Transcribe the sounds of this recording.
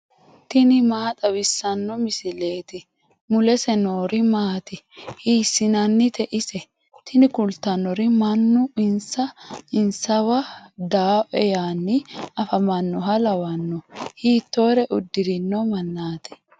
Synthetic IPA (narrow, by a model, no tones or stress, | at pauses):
t̪ɪnɪmaːt̪ʼɐbɪsːɐnːɔmɪsɪle̞ːt̪ɪ | mʊlɛsɛnoːɾɪmaːt̪ɪhiːsːɪnɐnːɪt̪ɛʔɪsɛ | t̪ʰɪnɪkʊlt̪ɐnːɔɾɪmɐnːʊɪnsɐɪnsɐwɐd̪aːʔɛjaːnːɪɐfɐmɐnːɔɦɐlɐwɐnːɔhiːt̪ːo̞ːɾɛʔʊd̪ːɪɾɪnːɔmɐnːaːt̪ɛ̥